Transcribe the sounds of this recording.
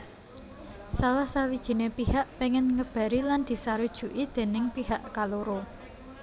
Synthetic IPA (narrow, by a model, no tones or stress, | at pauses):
salahsawid̥ʒ̥i̤nepihaʔpeŋɪnŋəb̥a̤ɾiland̪̥i̤saɾud̥ʒ̥ṳʔid̪̥e̤nɪŋpiɦaʔkaluɾo